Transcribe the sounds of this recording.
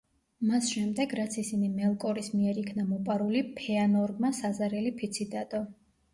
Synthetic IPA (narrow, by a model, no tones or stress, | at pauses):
masʃɛmd̪ɛɡɾat̪sʰisinimɛlˠkʼɔɾismiɛɾikʰnamɔpʼaɾulipʰɛanɔɾɡmasazaɾɛlipʰit̪sʰid̪ad̪̥ɔ